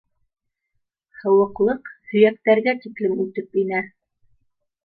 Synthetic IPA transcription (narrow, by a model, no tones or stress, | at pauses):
hɤ̆wɤ̆qlˠɤqhɵ̆jæk̚t̪æɾɡæt̪iklɘmʉt̪ɘpinæ